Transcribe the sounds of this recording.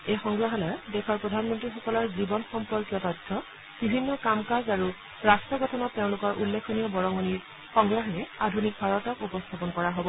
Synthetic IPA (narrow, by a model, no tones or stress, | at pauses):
ejxɔŋɡɹaɦɔlɔdɛkʰɔɹpɹɔdʱanmɔntɹixɔkɔlɔɹzibɔnxɔmpɔɹkjɔtɔjdʰʱɔ | b̥ibʱinːɔkamkazaɹu | ɹastɹɔɡɔtʰɔnɔtːeʊ̃lʊkɔɹʔulːekʰɔnijɔbɔɹɔŋɔniɹ | xɔŋɡɹaɦɔɹɛadʱunik̚bʰʱaɹɔtɔkupɔst̪ʰapɔnkɔɹaɦobɔ